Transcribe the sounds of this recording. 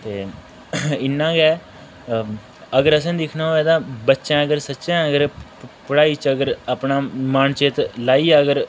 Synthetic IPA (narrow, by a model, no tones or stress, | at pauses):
t̪eː | ɪnːãːɡɛː | əɡəɾəsãːd̪ɪkʰnaːɛːd̪ãːbətːʃãːəɡəɾsətːʃãːəɡəɾpəɽaːiːt͡ʃəɡəɾaːpnãːmaːnt͡ʃeːt̪laːiːɛːəɡəɾ